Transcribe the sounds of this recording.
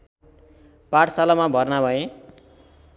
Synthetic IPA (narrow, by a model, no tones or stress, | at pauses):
paʈʰsalamabʱʌrnabʱʌẽ